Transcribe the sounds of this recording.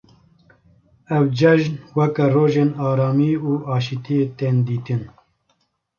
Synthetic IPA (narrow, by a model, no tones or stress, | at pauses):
ɛwd͡ʒɛʒnwɛkɛroːʒeːnɑːɾɑːmiːuːɑːʃit̪ʰijet̪eːnd̪iːt̪ɨn